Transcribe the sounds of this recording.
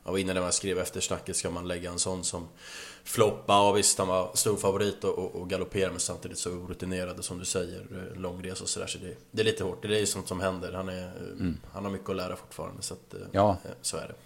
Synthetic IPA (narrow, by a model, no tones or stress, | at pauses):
ʔa̰vɪnːanɛmaskɾeːvɛft̪əʂnakːət̪skamanlɛɡːaɛnsɔnːsɔm | flɔpːavɪst̪hanvaɾst̪uːɾfavʊɾiːt̪ɔʔɔʔːɡalʊpʰeːɾamɛnsamt̪ʰiːd̪ɪt̪sɔuːɾɵt̪ɪneːɾad̪sɔmd̪ɵsɛjːə̰ɾlɔŋːɾeːsɔsɔd̪æ̰ːʂɔd̪ɛd̪ɛɾliːt̪əhoːʈːd̪ɛæɾjɵsɔnt̪sɔmhɛnd̪əɾhanæ | hanhaɾmʏkːəɔlæːɾʔa̰fʊ̥ʈːfɑ̰ːɾa̰nd̪ə̰sat̪ | so̰ːæ̰ɖɛ̰